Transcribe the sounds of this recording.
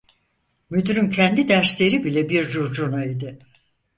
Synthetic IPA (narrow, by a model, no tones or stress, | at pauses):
myd̪yɾyncʰɛnd̪id̪æɾslʲe̞ɾibilʲɛbiɾd͡ʒuɾd͡ʒunaid̪ɪ